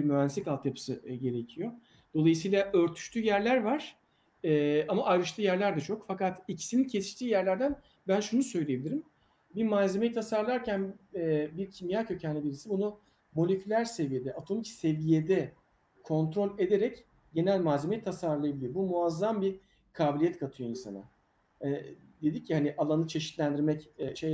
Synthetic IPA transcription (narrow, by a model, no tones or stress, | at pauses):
imyænsikalˠt̪japʰɯ̥sɯɟe̞ɾe̞cʰijo̞ | d̪̥o̞lˠajɯsɯjlˠaʔø̞ɾt̪ʰy̥ʃt̪ʰyːjæɾlʲæɾvaɾ̥ | ɛːamaʔajɾɯʃlˠɯjæɾlʲæɾd̪ɛt͡ʃʰo̞kfakat̪icʰi̥sinincʰesi̥ʃt̪iːjæɾlʲæɾd̪æn | bænʃunusøjlʲijebilʲiɾim | biɾmaze̞me̞jit̪ʰasaɾlˠaɾcʰænɛbiɾcʰimjaːcʰø̞cʰænlʲɛbiɾisibunu | mo̞lʲecʰʲylʲæɾse̞vije̞d̪ɛʔat̪ʰo̞micse̞vije̞d̪ɛ | kʰo̞nt̪ɾo̞lʲe̞d̪e̞ɾɛc | ɟe̞nælʲmaːzʲemeit̪ʰːasaɾlˠajabilʲiɾbumuazːambi | kʰaːbilʲijɛt̪kʰat̪ʰɯjo̞insa̰na̰ | ɛd̪e̞d̪icʰːihaniʔalˠanɯt͡ʃʰe̞ʃi̥t̪lʲænd̪iɾmɛcːʃej